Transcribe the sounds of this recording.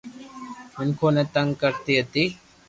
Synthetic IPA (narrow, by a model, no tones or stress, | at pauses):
mʊnkʰoːnẽːt̪əŋɡkəɾt̪iːɦət̪iː